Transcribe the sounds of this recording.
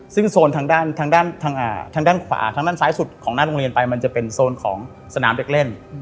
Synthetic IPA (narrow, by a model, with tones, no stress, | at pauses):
sɯ˥˩ŋsoː˧nt̪ʰaː˧ŋdaː˥˩nt̪ʰaː˧ŋdaː˥˩nt̪ʰaː˧ŋʔaː˨˩t̪ʰaː˧ŋdaː˥˩nkʰwa̰ː˩˦t̪ʰaː˧ŋdaː˥˩nsaː˨˦˥jsu˨˩t̪̚kʰɔː˩˦naː˥˩ɾo˧ŋɾi˧ənpa˧jma˧nt͡ɕa˨˩pe˧nsoː˧nkʰɔ̰ː˩˦ŋ | sa˧naː˩˦mde˨˩k̚le˥˩n